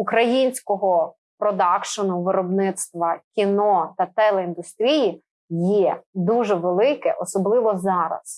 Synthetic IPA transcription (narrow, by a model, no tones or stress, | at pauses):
ukɾɐjinʲsʲkɔɦɔ | pɾɔd̪ɑkʃɔnʊʋɪɾɔbnɪt̪st̪ʋɐkʲinɔt̪ɐt̪ɛlˠɛind̪ʊst̪ɾʲiji | jɛd̪uʒɛʋelˠɪkɛ̰ʔɔsɔblˠɪʋɔzɑɾɐ̰s